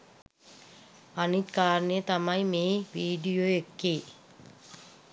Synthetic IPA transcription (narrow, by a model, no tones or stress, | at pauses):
anit̪kaːɾnejət̪ɐmɐjmeːʋiːɖijoːekːeː